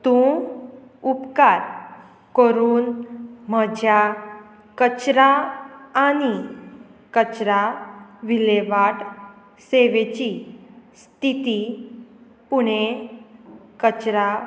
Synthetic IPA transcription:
t̪ũ | upkaɾ | kəɾuːnm̤əd͡ʑʱja | kət͡ɕɾaː | ñi | kət͡ɕɾaʋileʋaʈ | seʋet͡ɕist̪it̪i | puɽ̃e | kət͡ɕɾa

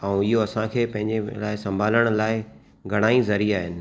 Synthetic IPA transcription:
ɛ̃ũɪɦoɐsãkʰeːpɐ̃ɦɪ̃ɲd͡ʑelaːɪsɐ̃mbʱaːləɽ̃ʊ̆laːɪ | ɡʱɐɽ̃aːizɐɾiaːɦɪnɪ̆

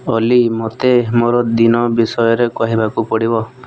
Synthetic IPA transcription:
ɔlimot̪emoɾɔd̪inɔbisɔjɔɾekɔɦibakupɔɽibɔ

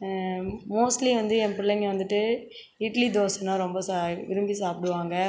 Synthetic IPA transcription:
moːsʈliʋɐnd̪ɯɛmpɪlːɐŋɡɐʋɐnd̪ɯʈːɯ | ɪʈɐlid̪oːsɐnãːɾɔmbɐsaʋɪɾɯmbisaːpɪɽɯʋaːŋɡɐ

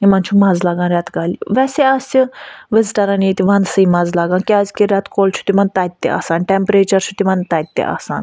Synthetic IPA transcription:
imãnt͡ʃʰumad͡zlaɡãnɾʲjat̪ɡʱaliʋɛsɛasiʋezʈɐɾanet̪iʋansəimad͡zlaɡãnkiad͡zkiɾʲat̪kolsʰu̥t̪imant̪at̪ːḛʔa̰sanʈempɾet͡ʃɐɾsut̪imãnt̪ajt̪ːḛʔa̰sã̰n

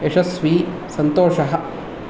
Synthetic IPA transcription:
eʂɐsʋiː | sɐnt̪oːʂɐɦɐ̆

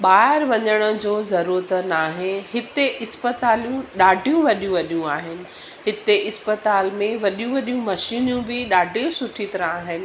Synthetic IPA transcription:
ɓaːɪɾʋɐɲəɽ̃ə̆d͡ʑoːzɐɾuːɾət̪naːɦɪnhɪt̪eʔɪspət̪aːlijũɗaːɖʱijũʋɐɗijũʋɐɗijũaːɦɪnɪ̆ | ɦɪt̪eʔɪspət̪aːlmẽʋɐɗijũʋɐɗijũmɐʃiːnjũbɪɗaːɖʱijũsʊʈʰit̪ɐɾə̃aːɦɪnɪ̆

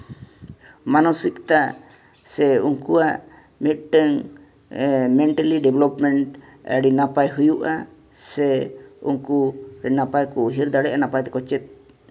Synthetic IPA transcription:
manɔsik̚t̪a | sɛuŋkuaʔ | mit̪̚ˀʈɛŋ | mɛɳʈaliɖɛblɔpmɛɳʈɛ̰ɽinapajɦujuʔa̰ | sɛṵŋkuɾɛnapajkɔɦiɾd̪aɽɛʔanapajt̪ɛkɔt͡ʃɛt̪̚ˀ

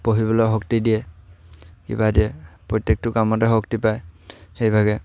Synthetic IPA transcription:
poɦibɔlɔɦɔktidijɛ | kḭbadiɛpɹɔjtek̚tʊkamɔtɛɦɔktipajxejbʱaɡɛ

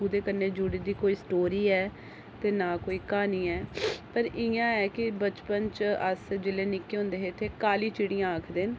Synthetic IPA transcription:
uːd̪eːkənːeːd͡ʒʊɽiːd̪iːkoːiːsʈoːɾiːɛː | t̪eːnaːkoːiːkaːniːɛːpəɾɪjãːɛːkɪbət͡ʃpənt͡ʃəsd͡ʒɪleːnɪkːeːɦʊ̃nd̪eːɦet̪ʰeːkaːliːt͡ʃɪɽijãːəːkʰd̪eːn

